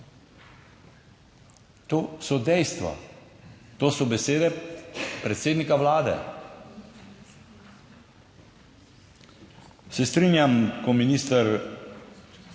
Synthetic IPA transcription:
t̪oːsɔd̪ɛjst̪ʋɔ̰ | t̪oːsɔbɛseːd̪ɛpɾɛt̪seːd̪nikaʋlaːd̪ɛ̰ | sɛst̪ɾinjamkɔminiːst̪əɾ

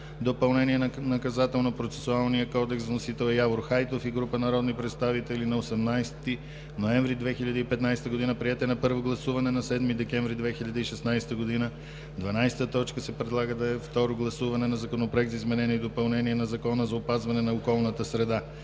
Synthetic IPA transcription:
d̪opɐlˠnɛniɛnnɐkɐzat̪ɛlˠnopɾot̪sɛ̥sʊalˠnijəkɔd̪ɛksvɐnosit̪ɛlˠɛjavoɾxajt̪ofiɡɾupənɐɾɔd̪nipɾɛt̪st̪avit̪ɛlinɐosɛmnajst̪i | noɛ̃ɱvɾid̪vɛxiʎʲɐd̪əipɛt̪najst̪əɡod̪inəpɾiɛt̪ɛnɐpɤɾvoɡlˠɐsuvɐnɛnɐsɛd̪mid̪ɛkʲɛ̃ɱvɾid̪vɛxilʎʲɐd̪əiʃɛsnajst̪əɡod̪inə | d̪vɐnajsɛ̥t̪ət̪ɔt͡ʃkəsɛpɾɛd̪lˠaɡəd̪ɐɛft̪ɔɾoɡlˠɐsuvɐnɛnɐzɐkonopɾoɛk̚t̪zizmɛnɛniid̪opɐlˠnɛniɛnɐzɐkɔnəzɐopazvɐnɛnɐokɔlˠnət̪əsɾɛd̪a

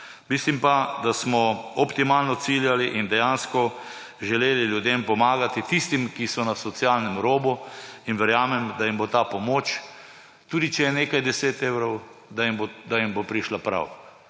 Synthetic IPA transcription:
mislimpad̪asmɔɔpt̪imalnɔt̪siljaliʔind̪ɛjanskɔ | ʒɛleːliljud̪empɔmaːɡat̪it̪ist̪imkisɔnasɔt̪sjalnɛmɾoːbuinʋɛɾjaːmɛmd̪ajimbot̪apɔmoːt͡ʃ | t̪uːd̪it͡ʃɛjɛneːkajd̪ɛseːt̪eːwɾɔw | d̪ambod̪ajimbopɾiʃlapɾa̰w

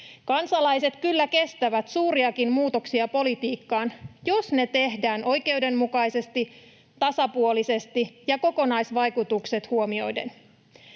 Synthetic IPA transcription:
kɑnsɑlɑjse̞t̪kylːæke̞st̪æʋæt̪suːɾiɑkimmuːt̪o̞ksiɑpo̞lit̪iːkːɑːnjo̞sne̞t̪e̞hdæːnʔo̞jke̞wde̞mmukɑjse̞st̪i | t̪ɑsɑpuo̞lise̞st̪ijɑko̞ko̞nɑjsʋɑjkut̪ukse̞t̪huo̞mio̞jde̞̰n

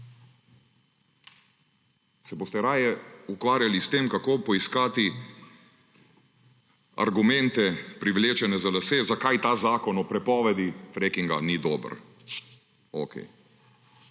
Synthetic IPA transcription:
sɛboːst̪ɛɾaːjɛukʋaːɾjalist̪emkakoːpɔiskaːt̪i | a̰ɾɡumɛ̃nt̪ɛpɾiʋleːt͡ʃɛnɛzalaseːzakajt̪aːzaːkɔnɔpɾɛpɔːʋɛd̪ifɾekiŋɡa̰nid̪ɔːbə̰ɾ | oːkʰɛ̰j

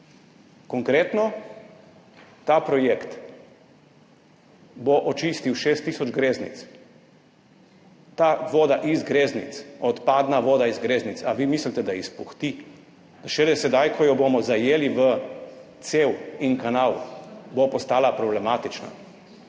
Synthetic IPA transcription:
kɔŋkɾeːt̪nɔ | t̪apɾɔjekt̪ | boʔɔt͡ʃiːst̪iwʃeːst̪ːiːsɔd͡ʒɡɾeːznḭt̪s | t̪aʋoːd̪aʔizɡɾeːznḭt̪sɔt̪pad̪naʋoːd̪aizɡɾeːznit̪aʋimislit̪ɛd̪ajɛspuxt̪i̥ | aʃɛlɛsɛd̪ajkʰɔjɔbomɔzajeːliʋət̪sewinkanawbopɔst̪aːlapɾɔblɛmaːt̪it͡ʃna̰

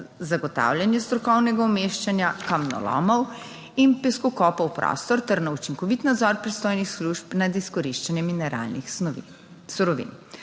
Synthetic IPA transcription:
zaɡɔt̪a̰wlʲjanjɛst̪ɾɔkɔwnɛɡaɔmeʃt͡ʃanjakamnɔ̰lɔ̰mɔw | inpɛskɔkɔpɔwpɾɔ̰st̪ɔɾt̪ɛɾnaut͡ʃiŋkɔʋit̪nad̪zɔɾpɾist̪oːjnixsluʃpnad̪iskɔɾiʃt͡ʃanjɛminɛɾa̰lnix | suɾɔʋḭn

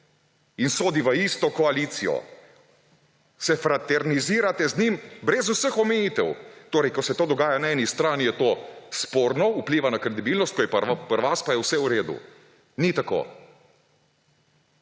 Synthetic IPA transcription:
insoːd̪iʋəist̪ɔkɔaliːt̪sijɔ̰ | sɛfɾat̪ɛɾniziːɾat̪ɛznimbɾɛzusəxɔmɛjiːt̪ɛwt̪oːɾɛjkɔsɛt̪oːd̪ɔɡaːjanaɛːnist̪ɾaːnijɛt̪oːspoːɾnɔupliːʋanakɾɛd̪ibiːlnɔst̪kojɛppəɾʋaspajɛwsɛuɾeːd̪ṵ | nit̪ako̰ː

